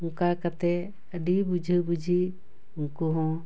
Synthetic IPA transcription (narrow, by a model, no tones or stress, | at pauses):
uŋkakat̪ɛ | əɖibud͡ʒʱəbud͡ʒʱi | uŋkuɦɔ̃